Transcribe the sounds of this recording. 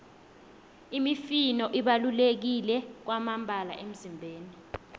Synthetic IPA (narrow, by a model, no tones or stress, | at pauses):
imifinɔʔiɓalulek̬ilɛk̬wamambʱala̰ʔem̩zimbʱeːni